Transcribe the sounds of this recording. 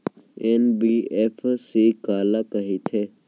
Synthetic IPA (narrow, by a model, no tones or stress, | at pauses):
eːnbiːeːpʰsiːkaːlaːkəɦit̪ʰeː